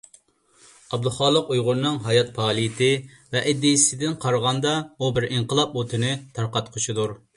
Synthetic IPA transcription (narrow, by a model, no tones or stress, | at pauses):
ɑb̚d̪ʊχɑːlˠəqujʁʊɾɨnɨŋɦɑjɑt̪̚pʰɑːlˠijɪt̪ʰɪ | vɛʔɪd̪isɪd̪ɪnqʰɑɾʁɑnd̪ɑubɪɾiɴqəlˠɑpot̪ʰɨnɪt̪ʰɑɾqɑt̪qʰoʃt͡ʃʰid̪uɾ